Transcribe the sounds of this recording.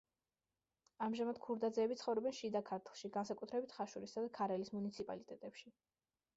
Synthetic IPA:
amʒamad̪̥̚kʰuɾd̪ad̪zɛːbit̪sχɔvɾɔbɛnʃid̪akʰaɾt̪ʰlˠʃiɡansakʼut̪ʰɾɛbit̪ʰχaʃuɾisad̪akʰaɾɛlismunit̪sʰipʼa̰lit̪ʼɛt̪ʼɛpʃi

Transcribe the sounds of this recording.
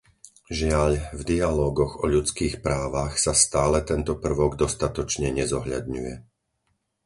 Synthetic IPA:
ʒɪaʎvd̪ialɔːɡɔɣɔʎut͡skiːxpɾaːʋaxsast̪aːlɛt̪ɛnt̪ɔpr̩ʋɔɡd̪ɔst̪at̪ɔt͡ʃɲɛɲɛzɔɦʎa̰d̪ɲujɛ

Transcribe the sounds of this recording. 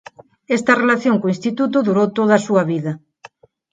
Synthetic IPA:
est̪ɐrelaθjoŋkoĩnst̪it̪ut̪oðuɾowt̪oðasuɐβiðɐ

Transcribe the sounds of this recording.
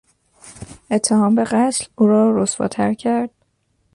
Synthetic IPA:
e̞t̪ʰːe̞ɦɒːmbe̞ɣæt̪luːɾɒːɾosfɒ̰ːt̪ʰæɾcʰæɾd̪̥̚

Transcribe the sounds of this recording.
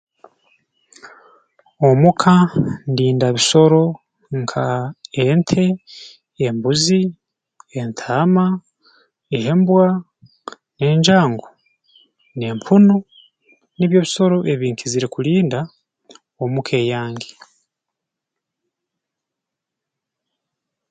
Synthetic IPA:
omukʰandiːndaβiso̞ɾo̞ | ŋkʰaentʰe̞ː | mbuzi | entʰaːma | eɦembwa | neːɲd͡ʒaːŋɡo | neːmpʰuno | niβjo̞ːβiso̞ɾo̞ʔe̞βiːŋkʰiziɾekuliːnda | omukʰe̞ːjaːŋɡe

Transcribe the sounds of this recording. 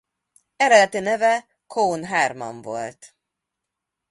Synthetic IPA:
ɛɾɛd̪ɛt̪inɛvɛ | kʰoːnɦaːrmɒ̰ɱvo̰lt̪

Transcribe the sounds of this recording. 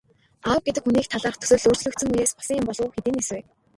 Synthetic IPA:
aw̚ɡet̪ɘ̆kxuniːk̚t̪ʰaɮaːχt̪ʰɵ̥sɵ̆ːɮɵːrt͡ɕɮɵ̆kt̪sɵ̆ŋujeːspɔ̥sə̆ŋjʊmpɔɮʊːxet̪iːneseː

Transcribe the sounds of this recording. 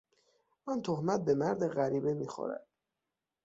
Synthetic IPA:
ʔɒnt̪ʰohmæt̪̚be̞mæɾd̪eɣæɾiːbemixɔ̰ɾæ̰d̪̥

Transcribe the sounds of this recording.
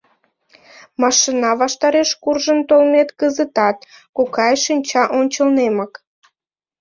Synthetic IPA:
mɑʃinɑβɑʃt̪ɑɾeʃkurʒənt̪olmet̪kəzət̪ɑt̪kukɑjʃinʲt͡ɕɑʔonʲt͡ɕəlnemək

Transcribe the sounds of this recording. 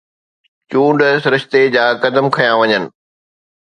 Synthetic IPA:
t͡ɕũːɳɖsɾɪʃt̪ed͡ʑaːkɐd̪əmkʰɐjãʋɐɲənɪ̆

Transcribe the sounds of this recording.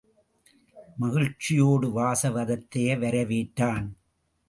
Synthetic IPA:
mɐɣɪɻt͡ʃːɪjoːɽɯʋaːsɐʋɐðɐt̪ːɐjɐʋɐɾɐʋiːʈːaːn

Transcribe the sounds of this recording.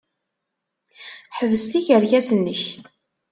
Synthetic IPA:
ħəvəst̪içəɾʝæsənːəç

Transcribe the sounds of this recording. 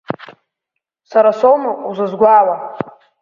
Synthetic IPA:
saɾasowmaʔuzɨzɡʷaːwa

